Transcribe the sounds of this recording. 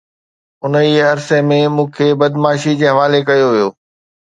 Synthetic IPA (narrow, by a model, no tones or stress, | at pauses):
ʊnəiːɐɾsemẽmũːkʰebɐd̪maːʃid͡ʑeːɦɐʋaːlekɐjoʋijoː